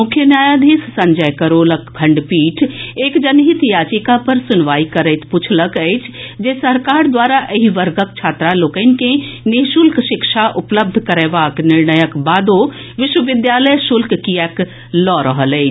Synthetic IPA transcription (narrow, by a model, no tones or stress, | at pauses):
mʊkʰjənjaːjad̪ʱeːssɐ̃ɲd͡ʒəjkəɾoːləkkʰɐ̃ɳɖpiːʈʰeːkd͡ʒɐnɦit̪jaːt͡ʃikapəɾsʊnʋaːikəɾəɪt̪pʊt͡ʃʰləkɛɪt͡ʃʰd͡ʒesɐɾkaːɾd̪waːɾaʔəɦiʋəɾɡəkt͡ʃʰaːt̪ɾaloːkənkẽneʃʊlkʃɪkʃaʔʊpləb̚d̪ʱkəɾɛːʋaːknɪɾnəjəkbaːd̪o | ʋɪʃwəʋɪd̪jaːləjʃʊlkkijɛk | lɔːɾəɦəlɛɪt͡ʃ